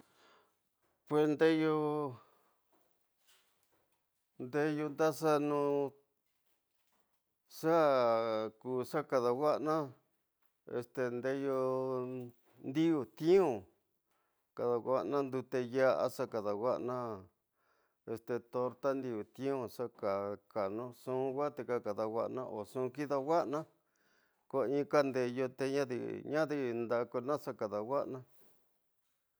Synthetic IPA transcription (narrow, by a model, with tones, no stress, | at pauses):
pwe˧snd̪e˦jo˧ | nd̪e˧jo˧nd̪a˦sa˦nũː˧ | ʂa˦ | kuː˧ʂa˦ka˧ða˧wa˦ʔnã˦ | ḛ˧st̪e˧nd̪e˧jo˧ | nd̪i˦u˨t̪ĩ˦õ˨ | ka˨ða˧wa˦ʔnã˦nd̪u˧t̪e˧ja˦ʔa̰˦ʂa˦ka˨ða˨wa˦ʔnã˦ | e˧st̪e˨t̪o˧ɾt̪a˦nd̪i˧u˨t̪ĩ˦õ˧ʂa˦ka˨ka˨nõ˧sũ˦˧wa˦t̪e˧ka˦ka˨ða˧wʷa˧ʔnã̰˧ʔo˨sũ˧ki˦ða˧wa˦ʔnã˦ | ko˧ĩː˧˦˧ka˦nd̪e˧jo˧t̪e˧ɲã˦ðḭ˧ɲã˦ði˧nd̪a˧ko˧nã˦ʂa˦ka˨ða˨wa˦ʔnã˦